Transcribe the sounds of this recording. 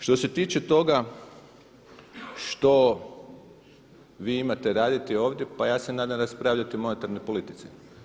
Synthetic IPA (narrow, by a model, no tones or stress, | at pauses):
ʃt̪o̞se̞t̪iːt͡ʃet̪o̞ɡa | ʃt̪o̞ | ʋiːimat̪e̞ɾaːd̪it̪io̞ːʋd̪je̞pajaːse̞naːd̪amɾaspɾaːʋʎat̪imo̞ne̞t̪aɾnojpo̞lit̪i̥t̪si